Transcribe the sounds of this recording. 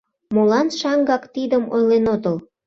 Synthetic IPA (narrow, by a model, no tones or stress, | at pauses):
molɑnʃɑŋɡɑkt̪id̪əmojlenot̪əl